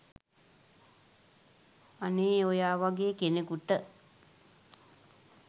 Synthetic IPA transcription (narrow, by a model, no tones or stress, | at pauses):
aneːojaːʋaɡeːkenekuʈə